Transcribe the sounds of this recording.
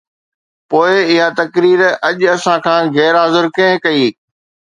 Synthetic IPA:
poːɪɪɦat̪ɐkɾiːɾɐʄɐsãkʰãːɣɛːɾaːzʊɾkẽɦkɐiː

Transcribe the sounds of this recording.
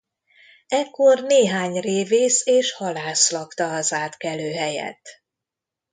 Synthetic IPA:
ɛkːo̞rneːɦaːɲreːveːseːʃhɒlaːslɒkt̪ɒɒzaːt̪kɛløːɦɛjɛ̰t̪ː

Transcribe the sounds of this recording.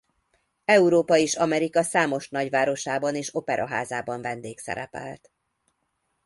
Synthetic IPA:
ɛuɾoːpɒeːʃɒmɛɾikɒsaːmo̞ʃnɒɟʋaːɾo̞ʃaːbɒneːʃo̞pɛɾʔɒɦaːzaːbɒɱvɛnd̪eːksɛ̰ɾɛ̰pɛ̰lt̪

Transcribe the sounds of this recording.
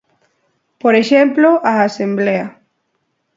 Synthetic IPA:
poɾeʃemploʔaasẽmbleɐ

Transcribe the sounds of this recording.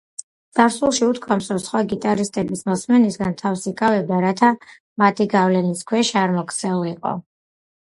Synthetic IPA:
d̪z̥aɾsulˠʃiut̪kʰɔmsɾɔsχwaɡit̪ʼaɾist̪ʼɛbismɔsmɛnisɡant̪ʰafsikʼavɛb̚d̪aɾat̪ʰa | mat̪ʰiɡavlɛniskʰwɛʃaɾmɔk̪ʰsʰɛuiqʼɔ̰

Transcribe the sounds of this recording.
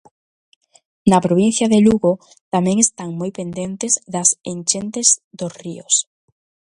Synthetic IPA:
napɾoβ̞in̟θjaðeluɣo | t̪amẽŋest̪aŋmojpend̪ent̪ezðasent͡ʃent̪ezðosrios

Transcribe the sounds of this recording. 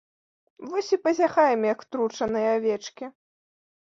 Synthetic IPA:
vɔsʲipɐzʲaxajɛmjɐkt̪ɾut͡ʂɐnɨjɐavʲɛt͡ʂkʲi

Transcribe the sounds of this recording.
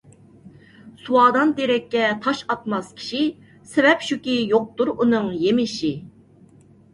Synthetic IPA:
suwɑːd̪ɑnd̪eɾɛkʲːɛt̪ʰɑʃɑt̪̚mɑskʲʰi̥ʃi | sɪvɛpʃukʲijoq̚t̪uɾunɨŋjemɪʃi

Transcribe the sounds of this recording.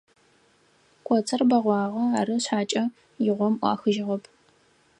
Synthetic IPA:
kʷʼɔt͡sʰɐrbɐʁʷɑːʁɐaːɾɨɕħaːt͡ʃʼɐ | jɪʁʷɔmʔʷɑ̰ːxɨʒɪʁɐpʰ

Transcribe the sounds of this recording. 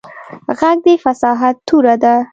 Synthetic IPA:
ɣaɡ̚d̪əfasɑɦat̪ːuɾad̪a

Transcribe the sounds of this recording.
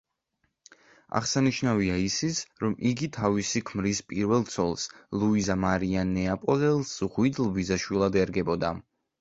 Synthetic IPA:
a̰ʁsaniʃnaviaisit̪sʰɾɔmʔiɡit̪ʰavisikʰmɾispʼiɾvɛlˠt̪sʰɔlˠslˠuizamaɾianːɛapʼɔlɛlˠsʁwid̪lˠvizaʃwilˠad̪ɛɾɡɛbɔd̪a̰

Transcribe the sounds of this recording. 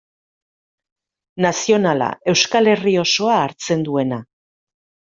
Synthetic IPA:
nasio̞nala̰e̞wskale̞rio̞so̞aːɾt͡se̞nd̪ue̞na

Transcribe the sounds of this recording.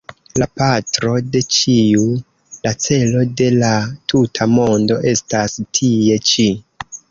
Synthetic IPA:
lapatɾo̞de̞t͡ʃiu | lat͡se̞lo̞de̞latʰutʰamo̞ndo̞ʔe̞stastʰie̞t͡ʃi

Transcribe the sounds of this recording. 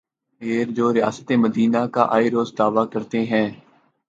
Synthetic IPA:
eːɾd͡ʒoːɾɪja̰ːst̪eməd̪iːnaka̰ʔaːiɾoːzd̪aːʋakəɾt̪eɦɛ̃ː

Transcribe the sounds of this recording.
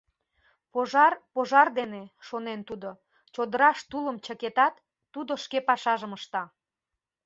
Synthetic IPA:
poʒɑrpoʒɑrd̪eneʃonent̪ud̪o | t͡ɕod̪əɾɑʃt̪uləmt͡ɕəket̪ɑt̪ː | ud̪oʃkepɑʃɑʒəməʃt̪ɑ

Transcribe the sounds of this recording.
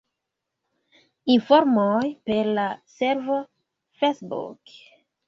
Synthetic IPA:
infoɾmojpe̞ɾlase̞ɾvo | fesbṵk

